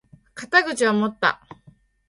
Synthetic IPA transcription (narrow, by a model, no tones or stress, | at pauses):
kat̪aɡɯ̟t͡ɕiamo̞t̪ːa̰